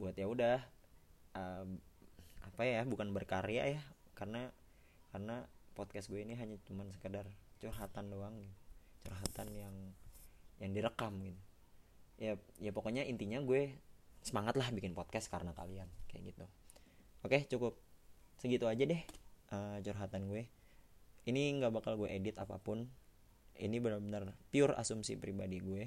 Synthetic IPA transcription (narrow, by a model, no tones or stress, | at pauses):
buat̪jaudah | ə | apajjabukanbərkaɾea̰jakarəna | karənapɔt̪̚kasɡuɛiniɦaɲat͡ʃumansə̥kədart͡ʃurɦat̪andoaŋɡit̪ut͡ʃurɦat̪anjaŋ | jaŋdiɾəkamɡit̪u | jajapokoɲaʔint̪iɲaɡuɛsəmaŋat̪lahbikɪnpot̪̚kaskaɾənaka̰liankaja̰ʔɡit̪u | oket͡ʃukʊp̚səɡit̪uad͡ʒadɛhʔət͡ʃurɦat̪anɡuɛ | iniŋɡabakalɡueʔedɪt̪apa̰pʊn | ḭnibənabənarpiʊra̰sumsḭpɾibadiɡuɛ